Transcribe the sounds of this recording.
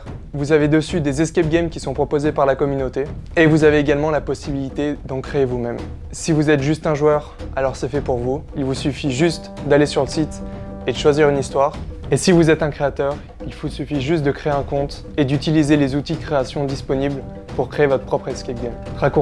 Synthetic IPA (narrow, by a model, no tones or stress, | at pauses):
vuzaved̪əsyd̪ezɛskʲɛp̚ɡʲɛmkʲisɔ̃pχɔpozepaʁlakɔmynot̪eevuzaveeɡalmɑ̃lapɔsibilit̪ed̪ɑ̃kχeːvumɛm | sivuzɛt̪ʒyst̪ɛ̃ʒwœʁalɔʁsɛfɛpuʁvuilvusyfiʒyst̪d̪alesyʁləsit̪ | ed̪əʃwaziʁynist̪waʁesivuzɛt̪ɛ̃kχeat̪œʁ | ilvusyfiʒyst̪̚d̪əkχeeɛ̃kɔ̃t̪ | ed̪yt̪ilizelezut̪id̪əkχeasjɔ̃d̪ispɔnibl | puʁkχeevɔt̪χəpχɔpχɛskʲɛp̚ɡʲɛmʁaku